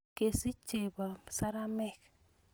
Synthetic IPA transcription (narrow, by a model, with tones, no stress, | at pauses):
ke˨si˦t͡ʃe˨ba˨sa˦ɾa˦mɛ˦˨k